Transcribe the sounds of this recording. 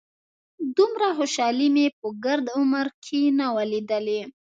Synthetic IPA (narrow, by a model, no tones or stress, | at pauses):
d̪umɾaxoʃɑlimepəɡaɾd̪ʊməɾkʰenawalid̪əle